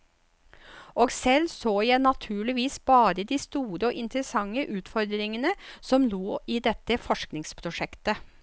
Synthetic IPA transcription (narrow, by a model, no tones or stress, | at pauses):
ʔoːɡsɛlsoːjæɪnɑt̪ʰʉːɭɪʋiːsb̥ɑːɾəd̪iːst̪uːɾəɔːʔɪnt̪əɾəsɑŋːəʔʉːt̪fɔɾd̪ɾɪŋənəsɔmloːiːd̪ɛt̪ːəfɔʂknɪŋspʰɾʊʂɛkt̪ə